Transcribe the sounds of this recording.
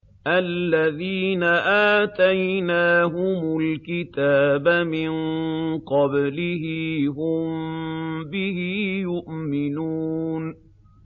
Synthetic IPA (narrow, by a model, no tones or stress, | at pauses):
ʔalːaðiːnaʔaːt̪ajnaːɦʊmʊlkɪt̪aːbamɪŋqɑblɪhɪɦʊm | bɪhɪjʊʔmɪnuːn